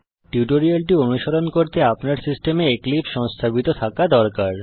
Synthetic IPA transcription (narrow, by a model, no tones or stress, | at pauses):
ʈuʈoɾialʈionuʃoɾonkoɾt̪eapnaɾsisʈemeeklipʃɔŋst̪ʰabit̪ot̪ʰakad̪ɔɾkaɾ